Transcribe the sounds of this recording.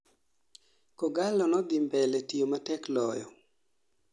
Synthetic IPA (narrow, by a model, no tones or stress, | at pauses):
kɔɡalɔnɔd̪ɪmbɛlɛtiomatɛklɔjɔ